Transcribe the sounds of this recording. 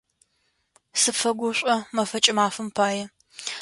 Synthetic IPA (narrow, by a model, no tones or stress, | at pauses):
sɨpfɐɡʷʊɕʷʼɐmɐfɐt͡ʃʼɪmaːfɨmpʰaːjɛ